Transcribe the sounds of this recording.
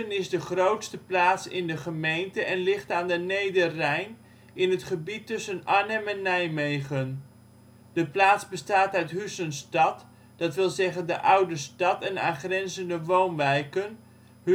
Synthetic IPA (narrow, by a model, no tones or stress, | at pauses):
ənɪzdəχrowtstəplaːtsɪ̰ndəχəmejntəʔɛnlɪχtaːndənejdərɛjn | ɪnətχəbitːɵsənanɛmɛnːɛjmejχən | d̥əplaːtsbəstaːtœɥtɦysənstɑt | d̥ɑtʋɪlˠzɛχəndə̰ʔʌwdəstɑtɛna̰ːχrɛnzəndəʋownʋɛjkən | h